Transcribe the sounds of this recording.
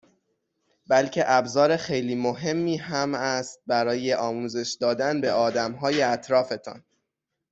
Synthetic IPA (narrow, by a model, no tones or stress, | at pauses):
bælcʰe̞ʔæbzɒːɾe̞xe̞jliːmoɦe̞mːiːhæmæst̪̚bæɾɒːje̞ʔɒːmuːze̞ʃd̪ɒːd̪ænbe̞ɒːd̪æmɦɒːje̞æt̪ʰɾɒːfe̞t̪ʰɒ̰n